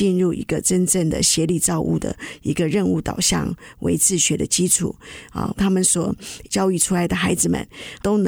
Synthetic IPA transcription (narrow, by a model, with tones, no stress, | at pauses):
i˥˧nɻu˥˩ʔḭ˧˥ɡə˧ʈ͡ʂə˥nʈ͡ʂə˥˩ŋd̪ə̰˨ɕjɛ˧˥li˥˩ʈ͡ʂɑ˥˧ʊʔṵ˥˩d̪ə̰˩i˧˥ɡə˧ɻə˥˧nu˥˩t̪ɑ˨˩ʊɕjɑ̰˥˩ŋwʔḛ˧˥ɪt͡sʰɹ̩˥˩ɕɥɛ˧˥d̪ə˧t͡ɕi˥ʈ͡ʂʰṵ˨˩˦ɐ̰˥˧˩t̪ʰa˥mə˨nswɔ˨˩t͡ɕjɑ˥ʊy˥˩ʈ͡ʂʰu˥la˧˥ɪd̪ə˨xa˧˥ɪd͡zɹ̩˨˩mə̰˨˩˦nt̪o˥ʊn